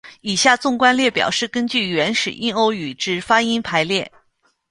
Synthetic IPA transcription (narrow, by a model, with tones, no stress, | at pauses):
i˨˩ɕja˥˧t͡sʊ˥˩ŋkwa˥nljɛ˥˩pjɑ̰˨˩ʊʂɻ̩˥˩kə˥nt͡ɕy˥˩ɥɛ˧˥nʂɻ̩˨˩ʔi˥˧no˧˥ʊy˨˩ʈ͡ʂɻ̩˧˥fa˥i˥npʰa˧˥ɪljɛ˥˩